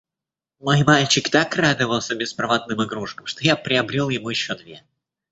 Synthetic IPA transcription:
mo̞jmalʲt͡ɕɪkt̪akrad̪əvəlˠsʲəbʲɪspɾɐvat̪nɨmɨɡɾuʂkəmʂt̪ojapɾʲɪɐbɾʲilˠjɪmujɪɕːod̪vʲe

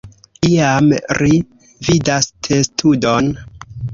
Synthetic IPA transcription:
iamɾi | vidastʰestʰudon

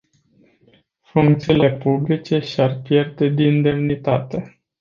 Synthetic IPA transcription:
fuŋkt̪siːle̞publit͡ʃe̞ʃarpje̞rd̪e̞d̪ind̪e̞mnit̪at̪e̞

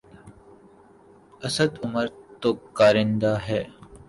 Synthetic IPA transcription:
ɐsəd̪ʊməɾt̪oːkaːɾɪ̃nd̪aːɦɛː

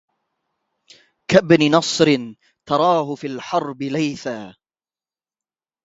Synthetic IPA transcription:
kabnɪnɑsˤɾɪn | t̪ɑɾˤɑːɦʊfiːlħɑɾˤbɪlajθaː

